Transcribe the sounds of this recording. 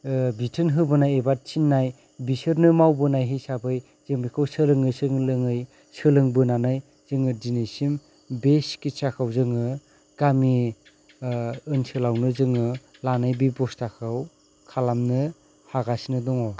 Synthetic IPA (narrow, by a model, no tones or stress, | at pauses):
bitʰɯnɦɯbɯnajebat̚t͡ʃʰinːaj | bisɯɾnɯmawbɯnajɦɯjsabɯj | zeŋbikʰɯwsɯlɯŋɯsɯŋlɯŋɯj | sɯlɯŋbɯnanɯj | z̥ɯŋɯdinesim | beskit͡ʃakʰawzɯŋɯ | ɡ̥ami | ɯnsɯlawnɯzɯŋɯlanɯjbibɔstakʰɯw | kʰalamnɯ | haɡasnɯdɔŋɔ